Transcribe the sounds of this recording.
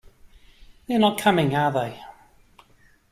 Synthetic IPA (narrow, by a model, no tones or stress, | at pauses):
ðɛnət̚kʰʌmɪ̃ŋaðeɪ